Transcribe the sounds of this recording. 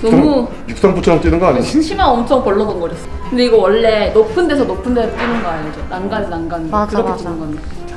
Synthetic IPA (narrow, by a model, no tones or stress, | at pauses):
nʌmu | juk̚s͈ʰʌnput͡ɕʰʌt͈ɥinɯŋɡʌaɲiinɕʰimaʌmt͡ɕʰʌŋpʌɭːʌdonɡʌɾes͈ʌ̥kɯnde̞iɡʌwʌɭːe̞nopʰɯnde̞sʰʌnopʰɯndeɾɯt͈ɥinɯnɡʌaed͡ʑʌnaŋɡannanɡanɡkɯɾʌkʰet͡ɕ͈inɯŋɡʌaɲo